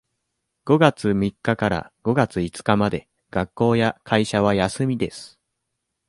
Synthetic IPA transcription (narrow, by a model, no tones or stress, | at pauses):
ɡ̥o̞ɡat͡sɨmʲikːakaɾa̰ɡ̥o̞ɡat͡sɨit͡sɨ̥kamad̪e̞ | ɡ̥akːo̞ːjakʰaiɕaβ̞ajasɨmʲid̪e̞sɨ̥